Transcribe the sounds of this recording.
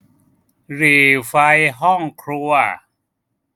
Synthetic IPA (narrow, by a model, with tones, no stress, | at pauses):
ɾiː˨˩fa˧jɦɔ˥˩ŋkʰɾu˧ɐ˧˩